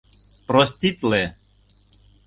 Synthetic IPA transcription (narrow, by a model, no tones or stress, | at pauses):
pɾost̪it̪le